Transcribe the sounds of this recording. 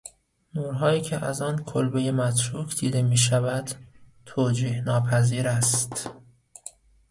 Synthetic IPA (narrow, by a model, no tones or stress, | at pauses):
nuːɾɦɒːiːcʰeʔæzɒːnkʰolbejemæt̪ʰɾuːkʰd̪iːd̪e̞miːʃævæd̪̥t̪ʰoːd͡ʒiːhnɒːpʰæziːɾæst̪